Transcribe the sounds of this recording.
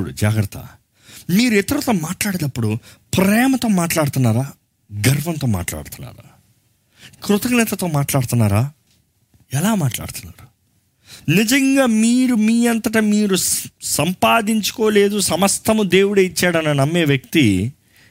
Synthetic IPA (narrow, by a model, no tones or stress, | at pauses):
ɽṵd͡ʒaːɡɾɐt̪ʰːɐ̰ | miːɾuɛt̪ɐɾut̪o̞ːmaːʈlaːɽed̪ɐpːuɽupɾɛːmɐt̪o̞ːmaːʈlaːɽut̪unːaːɾaː | ɡɐɾʋɐnt̪o̞ːma̰ːʈla̰ːɽt̪unːa̰ːɾa̰ː | kɾut̪ɐknɛt̪ɐt̪o̞ːmaːʈlaːɽut̪unːaːɾaː | ɛlaːmaːʈla̰ːɽt̪unːa̰ːɾu | nid͡ʒɐŋɡaːmiːɾumiːɐnt̪ɐʈ̬ɐmiːɾusɐmpaːd̪iɲt͡ʃu̥ko̞ːle̞ːd̪usɐmɐst̪ʰɐmud̪e̞ːwuɽeit͡ʃːaːɽɐnɐnɐmːeːʋjɐk̚t̪i